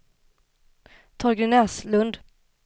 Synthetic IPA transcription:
t̪ʰɔɾɡɾɪnɛslɵnd̪

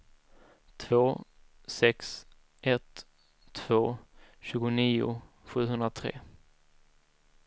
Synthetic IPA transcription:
t̪ʰvoː | sɛks | ʔɛt̪ʰː | v̥oːɕʉ̟ːɡʊniːʊ̰ | ɧʉ̟ːɦɵnd̪ɾat̪ʰɾḛː

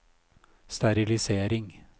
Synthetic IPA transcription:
st̪æɾɪlɪseːɾɪŋ

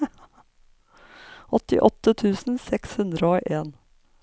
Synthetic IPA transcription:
ʔɔt̪ɪ̰ʔɔt̪ːət̪ʰʉːsn̩sɛkshʉnd̪ɾəoːʔeːn

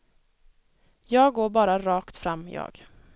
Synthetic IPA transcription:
jɑːɡoːɾbɑːɾaɾɑːkt̪fɾamːjɑ̰ːɡ

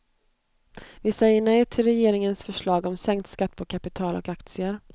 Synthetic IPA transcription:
vɪsɛjːəɳɛjʈʰɪlɾɛjeːɾɪŋənsfœʂɭɑːɡɔmsɛŋkt̪skat̪ːpʰɔkʰapɪt̪ʰɑːlɔ̰kakt̪sɪəɾ

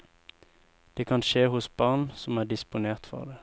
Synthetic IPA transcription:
d̪̥eːkʰɑnʃeːhʊsb̥ɑʁnsɔmæːʁd̪ɪspʊneːʁt̪fɔ̰ʁd̪eː

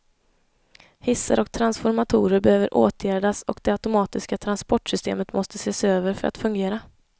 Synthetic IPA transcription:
hɪsːə̰ɾʔɔkt̪ʰɾansfɔɾmat̪ʰuːɾəɾbɛhøːvəɾʔoːt̪ʰjæːɖasɔ̰kd̪ɛat̪ʊmɑːt̪ɪskat̪ʰɾanspɔʈʂʏst̪ʰḛːmət̪mɔst̪əseːsøːvəɾfœɾʔa̰t̪fɵŋɡeːɾa

